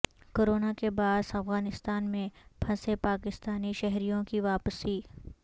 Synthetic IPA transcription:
koːɾoːnakebaːzɐfɣaːnɪst̪aːnmẽbʰʱɐsepaːkɪst̪aːniʃɛɦɾijõkiʋaːpsiː

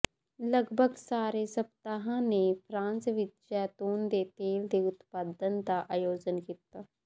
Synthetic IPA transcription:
ləɡbʱəɡsaːɾeːsəbt̪aːɦãːneːpʰɾãːnsʋɪt͡ʃd͡ʒɛːt̪oːnd̪eːt̪eːld̪eːʊt̪paːd̪ənd̪aːʔaːjoːd͡ʒənkit̪aː

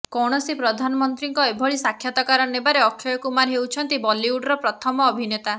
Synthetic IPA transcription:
kɔɽ̃ɔsipɾɔd̪ʱanɔmɔnt̪ɾiŋkɔebʱɔɭisakʰːjat̪ɔkaɾɔnebaɾeɔkʰːjɔjɔkumaɾɦewt͡ʃʰɔnt̪ibɔliuɖɔɾɔpɾɔt̪ʰɔmɔːbʱinet̪a

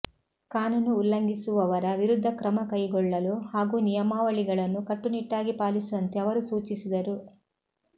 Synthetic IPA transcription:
kaːnunuːlːɐŋɡisuʋɐʋɐɾɐʋiɾud̪ʱːɐkɾɐmɐkɐjɡɔɭːɐluhaːɡuːnijɐmaːʋɐɭiɡɐɭɐnːukɐʈːuniʈːaːɡipaːlisuʋɐnt̪eɐʋɐɾusuːt͡ʃisid̪ɐɾu

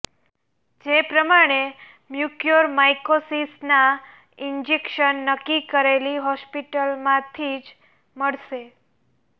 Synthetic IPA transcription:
d͡ʒepɾəmaɽ̃e | mjukjoɾmajkosisna | ind͡ʒekʃənːəkːikəɾeliɦɔspiʈəlmãt̪ʰid͡ʒ | məɭʃe

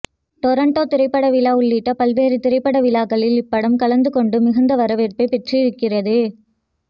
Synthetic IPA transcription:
ʈɔɾɐɳʈoːt̪ɪɾɐɪpːɐɽɐʋɪlaːʊɭːɪʈːɐpɐlʋeːɾɯt̪ɪɾɐɪpːɐɽɐʋɪlaːkɐɭɪlɪpːɐɽɐmkɐlɐnd̪ɯkɔɳɖɯmɪɣɐnd̪ɐʋɐɾɐʋeːɾpɐɪpɛʈrijɪɾɯkːɪrɐðɯ

